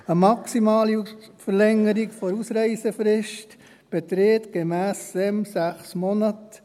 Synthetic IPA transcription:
əmɑksimɑːlifəɾlɛŋːəɾiɡfoɾusɾɛɪsəfɾɪʃt | b̥et̪ɾeːt̪ɡ̥emæːsɛmsæχsmɔnət

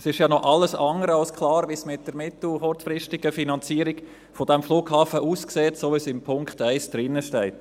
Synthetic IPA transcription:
sɪʃjɑnɔʔɑlːəsɑŋəɾɑlskʰlɑːɾʋismɪt̚d̥əɾmɪtl̩hɔɾt͡sfɾɪʃtɪɡ̥əfinɑnt͡siːəɾiɡ | fod̥ɛmfluːɡhɑːfəʔuːskseːtsoːʋisɪmpʰʊŋktæɪsd̥ɾɪnːəʃtɛɪt

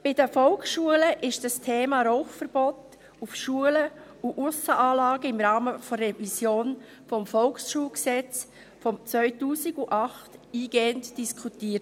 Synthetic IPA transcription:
b̥ɪdəfɔlksʃuələʔɪʃd̥əstʰeːmɑɾɔʊχfəɾb̥ɔt | ufʃuələ | uʔusəʔaːlɑːɡəɪmɾɑːməfɔrɛvisjoːn | fɔmfɔlksʃuːlksɛt͡s | fɔmt͡svœʏtuːsɪɡuʔɑχtiːɡeːəntd̥iskʰutiːət

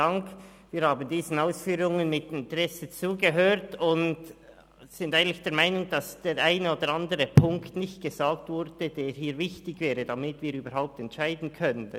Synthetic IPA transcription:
aŋk | viːɾhaːbən̩diːzn̩aʊsfyːɾʊŋənmɪtɪntʁɛsət͡suːɡəɦøːɾtʊnt | z̥ɪndaɪɡŋ̩n̩tlɪçd̥eːɐɾmaɪnʊŋd̥asd̥eːɾʔaɪnəoːdəɾandəʁəpʰʊŋktnɪçt̚ɡ̥əzaːk̚tv̥ʊɾd̥ədeːɾɦiːɾvɪçtɪɡvɛːɾədamɪtviːɾyːbəɾɦaʊp̚tɛntʃaɪdn̩kʰœnət

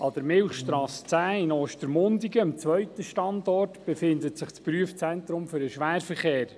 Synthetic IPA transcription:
ʔɑd̥̪əɾmɪlχʃtɾɑːst͡sæːɪnoːʃtəɾmʊndiɡəəmt͡sʋœɥt̪əʃtɑndɔrtb̥ɛfɪndətsɪχt͡spɾyəft͡sɛnt̪ɾʊmfʏɾəʃʋæːɾfəɾχeːɾ

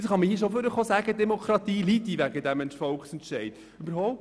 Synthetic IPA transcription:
ɪsχɑməiʃ̬oføɾəχosæːɡ̥əd̪ɛmokʰɾɑt̪iːlit̪iʋæɡəd̪æmɛnʃfɔlkχsɛnt̪ʃɛɪd | ʉbəɾɦɔʊ

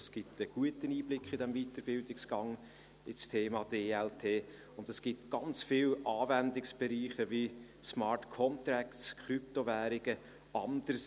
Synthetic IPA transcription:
sɡ̥ɪtəɡ̥uətəniːblɪkχɪdɛmvitəɾbɪldɪksɡ̥ɑŋ | ɪt͡stʰeːmɑːd̥eːɛltʰeː | ʊndɛsɡ̥ɪtɡ̥ɑnt͡sfɪlɑːvɛndɪksb̥ɛɾiːχəvi | smɑːɹtkʰɔmt̪ɾækskʰχɾyp̚tovæːɾɪɡ̥ə | ɑnd̥əɾs

